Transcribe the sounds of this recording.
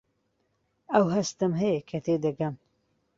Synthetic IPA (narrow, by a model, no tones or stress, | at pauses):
ɐwɦɐst̪ɨmɦɐjekʰɐt̪ʰeːd̪ɐɡɐm